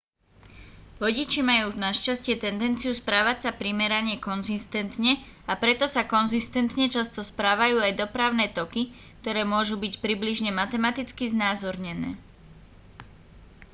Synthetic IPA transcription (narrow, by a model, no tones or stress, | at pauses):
ʋɔɟit͡ʃimajuːnaʃcascɪɛt̪ɛnd̪ɛnt͡siuspɾaːʋacsapɾimɛɾaɲɛkɔnzist̪ɛnt̪ɲɛ | apɾɛt̪ɔsakɔnzist̪ɛnt̪ɲɛt͡ʃast̪ɔspɾaːʋajuːajd̪ɔpɾaʊnɛːt̪ɔki | k̚t̪ɔɾɛːmʊɔʒubicpɾibliʒɲɛmat̪ɛmat̪it͡skiznaːzɔɾɲɛnɛː